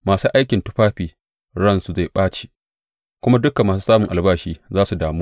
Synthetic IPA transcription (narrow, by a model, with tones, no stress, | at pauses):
maː˨suː˦ʔa˦jkʲɪ˨ntʊ˦ɸaː˦ɸiː˨ | ɽɐ˦nsu˨za˦˨ɓaː˦t͡ʃe̥˨ | kʷʊ˦ma˦dʊ˦ka˨mːaː˨su˦saː˦mʊ˨ŋʔa˨lbaː˦ʃiː˦zaː˦su˨daː˨muː˦